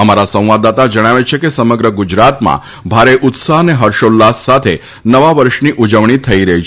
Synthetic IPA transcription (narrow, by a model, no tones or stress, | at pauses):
əmaɾasə̃w̃ʋad̪at̪ad͡ʒəɽ̃aʋet͡ʃʰekesəməɡɾəɡud͡ʒɾat̪mã̰ | bʱaɾeʔʊt̪saɦəneɦəɾʃolːasːat̪ʰe | nəʋaʋəɾʃniʔud͡ʒəʋɳ̃it̪ʰəiɾəɦit͡ʃʰ